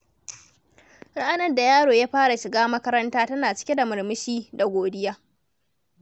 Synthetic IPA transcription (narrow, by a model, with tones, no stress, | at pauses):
ɾa˦ʔa˦nɐ˦rda˨jaː˦ɽoː˨jaː˦ɸaː˦ɽa˨ʃɪ˨ɡaː˦mɐ˦kɐ˦ɾɐ˦ntaː˦tɐ˦naː˨t͡ʃɪ̥˦kʲe˦da˨mɪ˨ɾmɪ˦ʃiː˦da˨ɡʷoː˨dɪ˦jaː˦